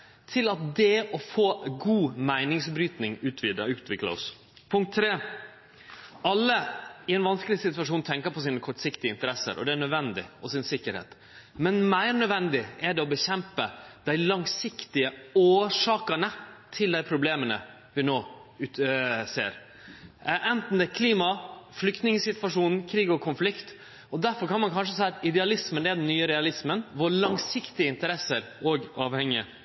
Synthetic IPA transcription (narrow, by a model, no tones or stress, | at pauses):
t̪ʰɪlɑt̪̚d̪ɛʔɔfoːɡuːmæɪnɪŋsbɾyːt̪nɪŋʉːt̪ʰʋiʉːt̪ʰʋɪklə̰ɔ̰s | pʰʊŋk̚t̪ʰːɾeː | ɑlːəɪɛnʋɑnskəlɪsɪt̪ʉʋɑʂuːnt̪ʰɛŋkəɾpʰɔsiːnəkʰɔʈːsɪkt̪ɪəɪnt̪əɾɛsə̰ɾʔɔ̰d̪ɛæɳœd̪ʋɛnd̪ɪ̰ɔsɪnsɪkːəɾhḛːt̪ | mɛnmæɪɾnœd̪ʋɛnd̪ɪɛɖɛɔbəçɛmpəd̪̥æɪlɑŋsɪkt̪ɪəoːʂɑːkəɳət̪ʰɪld̪æɪpʰɾʊbleːmənə̰ | ʋɪnoːʉːsḛːɾ | ʔɛnt̪n̩d̪ækʰliːmɑflʏkt̪nɪŋəsɪt̪ʋɑʂuːnn̩kʰɾiːɡɔkʰʊnflɪkt̪ | ɔd̪æɾfɔɾkʰɑnmɑnkʰɑnʂ̬əsæɪɑt̪ɪd̪ɛɑlɪsmənd̪ɛɖɛnnːyːəɾɛɑlɪsmənʋɔɭɑŋsɪkt̪ɪəɪnt̪əɾɛsːəɾɔɡɑːʋhɛŋɪə